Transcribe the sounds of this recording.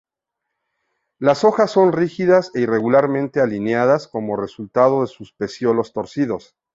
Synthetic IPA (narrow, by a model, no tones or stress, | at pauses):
laso̞xasːo̞nrixiðase̞ire̞ɣulaɾmẽ̞nt̪e̞alineaðasko̞mo̞re̞sult̪að̞o̞ðe̞suspe̞sjo̞lo̞st̪o̞ɾsiðo̞s